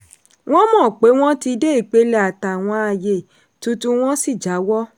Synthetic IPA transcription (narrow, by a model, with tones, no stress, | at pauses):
w̃ɔ̃˦mɔ̃ː˦˨k͡pe˨˦w̃ɔ̃˦ti˧de˦i˦˨k͡pe˨˦lɛ˦a˨ta˨w̃ɔ̃˧a˧˨je˨ | tu˧tũ˦w̃ɔ̃˦si˦˨d͡ʒa˨˦wɔ˦